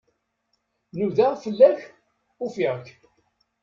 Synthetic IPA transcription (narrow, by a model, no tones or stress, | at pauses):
nuðafəlːæç | ufiʁkː